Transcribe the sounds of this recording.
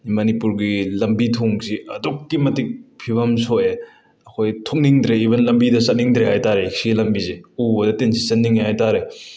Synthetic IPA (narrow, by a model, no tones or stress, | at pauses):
mɐnipuɾɡilɐmbitʰoŋsiɐdukːimɐtik̚pʰibɐmsoʔe | ɐkʰojtʰok̚niŋdɾeibɐnlɐmbidɐsɐt̚niŋdɾehajtaɾek̚siɡilɐmbizeubɐdɐtensʰi̥sɐt̚niŋeɦajtaɾe